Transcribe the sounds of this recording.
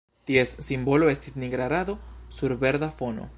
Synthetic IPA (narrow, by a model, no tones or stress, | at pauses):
t̪ie̞sːimbo̞lo̞e̞stisniɡɾaɾad̪o̞suɾbe̞ɾd̪afo̞no̞̰